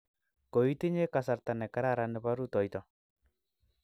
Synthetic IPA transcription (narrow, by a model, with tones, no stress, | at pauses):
ko˨i˦ti˦ɲe˦ka˨sa˨ɾt̪a˨nɛ˨ka˦ɾa˦ɾa˨nɪ˨pa˦ɾu˦tɔ˨jtɔ˨